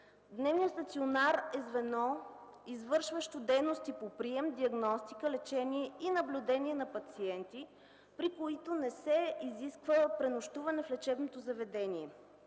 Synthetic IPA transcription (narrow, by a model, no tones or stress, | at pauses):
d̪nɛvniətst̪ɐt̪sionaɾɛzvɛnɔ | izvɤɾʃvəʃt̪od̪ɛjnost̪ipopɾiɛmd̪iɐɡnɔst̪ikəlɛt͡ʃɛniɛinɐblʲud̪ɛniɛnɐpɐt̪siɛnt̪i | pɾikoit̪onɛsɛiziskvəpɾɛnoʃt̪uvɐnɛflɛt͡ʃɛbnot̪ozɐvɛd̪ɛniɛ